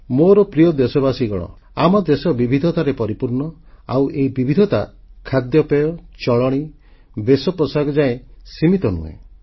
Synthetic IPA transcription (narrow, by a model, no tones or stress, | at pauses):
moɾɔpɾijɔd̪esɔbasiɡɔɭ̃ɔ̰ | amɔd̪esɔbibʱid̪ʱɔt̪aɾepɔɾipuɾɳɔ | a̰wʔeibibʱid̪ʱɔt̪a | kʰad̪jɔpejɔt͡ʃɔɭɔɽ̃i | besɔpɾɔsaɡɔd͡ʒaẽsimit̪ɔnṵḛ